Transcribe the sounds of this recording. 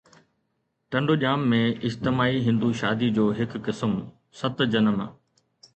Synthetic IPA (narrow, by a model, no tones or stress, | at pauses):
ʈɐ̃ɳɖoʄaːmːẽɪd͡ʑt̪ɪmaːiɦɪ̃nd̪uʃaːd̪id͡ʑoːɦɪkːɪsəm | sɐt̪d͡ʑɐnəm